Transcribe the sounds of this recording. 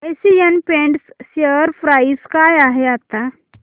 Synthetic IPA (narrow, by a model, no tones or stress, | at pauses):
sijənpẽɳʈsːəɾfɾaiskajaɦeat̪a